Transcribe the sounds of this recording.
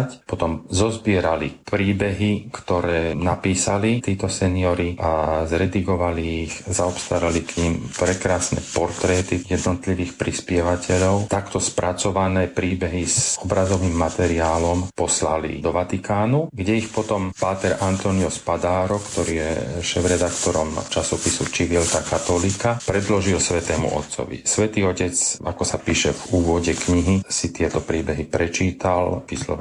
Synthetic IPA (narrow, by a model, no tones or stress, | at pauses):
cpɔt̪ɔmzɔzbɪɛɾalipɾiːbɛɦikt̪ɔɾɛːnapiːsalit̪iːt̪ɔsɛniɔɾiazɾɛd̪iɡɔʋaliːxzaɔpst̪aɾalikɲiːmpɾɛkɾaːsnɛpɔɾt̪ɾɛːt̪ijɛd̪nɔt̪liʋiːxpɾispɪɛʋacɛʎɔʊt̪akt̪ɔspɾʔat͡sɔʋanɛːpɾiːbɛɦizɔbɾazɔʋiːmːat̪ɛɾiaːlɔmpɔslalḭd̪ɔʋat̪ikaːnuɡɟɛixpɔt̪ɔmpaːt̪ɛɾant̪ɔniɔspad̪aːɾɔkt̪ɔɾiːjɛ̰ʃɛːvɾɛd̪akt̪ɔɾɔmt͡ʃasɔpisut͡ʃiʋilt̪akat̪ɔliːkapɾɛd̪lɔʒilsʋɛt̪ɛːmṵʔɔ̰t̪sɔ̰ʋḭsʋɛt̪iːɔcɛt͡sa̰kɔsapiːʃɛvuːʋɔɟɛkɲiɦisit̪ɪɛt̪ɔpɾiːbɛɦipɾɛt͡ʃiːt̪alʋislɔ̰ɛ